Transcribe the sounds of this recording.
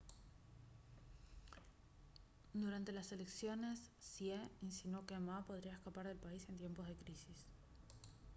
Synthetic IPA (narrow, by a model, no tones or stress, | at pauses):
d̪uɾant̪e̞lase̞le̞ksjo̞ne̞sːjeinsinokemapo̞ðɾiaeskapaɾðe̞lpaise̞nt̪je̞mpo̞zð̞e̞kɾisis